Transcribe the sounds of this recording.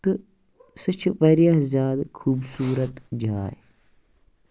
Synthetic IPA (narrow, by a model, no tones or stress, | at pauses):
ɨ | sɨt͡ʃʰpɐɾijɐɦzʲjaːd̪kʰuːbsuːɾɐt̪d͡ʒaːj